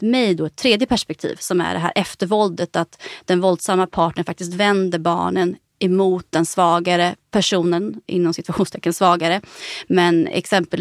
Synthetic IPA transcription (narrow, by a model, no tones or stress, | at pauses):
mɛjd̪ɔɛt̪ʰːɾeːd̪jəpʰæʂpɛk̚t̪ʰḭːvsɔmæ̰ɖɛɦæ̰ːɾʔɛft̪əɾvɔld̪ət̪at̪d̪ɛnvɔld̪samːapʰɑːʈɳəɳfak̚t̪ɪst̪vɛnd̪əɾbɑ̰ːɳən | ɛmuːt̪̚d̪ɛnsvɑːɡaɾəpʰæʂuːnənʔɪ̰nːɔmsɪt̪vaɧuːnst̪ʰɛkːənsvɑːɡaɾəmɛnɛ̰ksɛmpəl